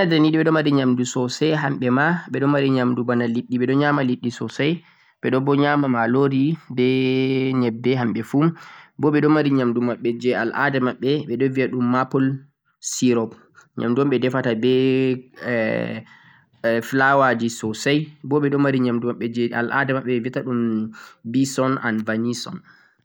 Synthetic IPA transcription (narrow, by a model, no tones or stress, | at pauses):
adɛnidiɓɛɗɔmaɾiɲamdusɔsajɦamɓɛmaɓɛɗɔmaɾiɲamdubanaliɗːiɓɛɗɔɲamaliɗːisɔsaj | ɓɛɗɔbɔɲamamaloɾibɛɲɛbːɛɦamɓɛfumbɔɓɛɗɔmaɾiɲamdumaɓːɛd͡ʒɛa̰lʔa̰dɛmaɓːɛɓɛɗɔviaɗumːapɔl | siɾɔb | ɲa̰mduɔmɓɛdɛfatabɛ | flawad͡ʒisɔsajbɔɓɛɗɔmaɾiɲamdumaɓːɛd͡ʒɛa̰lʔa̰dɛmaɓːɛɛviataɗumbisɔna̰nvanisɔ̰n